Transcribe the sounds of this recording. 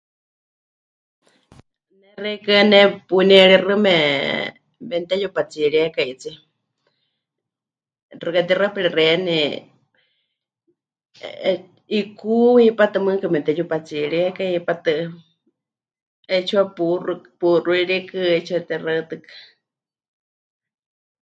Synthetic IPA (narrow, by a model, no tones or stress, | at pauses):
nɛrɛkɨnɛpunɛɺirɨmɛ | mɛnt̪ɛjupat͡siɺiakait͡si | rɨkat̪irapiɺirɛnɛ | ikuhipat̪ɨmɨkamɛnt̪ɛjupat͡siɺiakahipat̪ɨ | ɛt͡ʃʰuapurupuruiɺikɨɛt͡ʃʰuat̪ɛrat̪ɨkḁ